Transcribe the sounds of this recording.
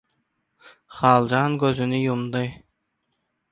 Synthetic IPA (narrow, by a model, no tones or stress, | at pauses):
χɑːlˠd͡ʒɑːŋɡɵzynijumd̪ɤj